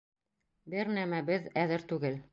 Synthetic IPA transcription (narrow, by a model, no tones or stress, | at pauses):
bɘɾnæmæbɘðæðɘɾt̪ʉɡɘl